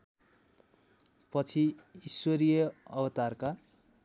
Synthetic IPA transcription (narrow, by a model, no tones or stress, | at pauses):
pʌt͡sʰiiswʌɾijʌʌbʌt̪arka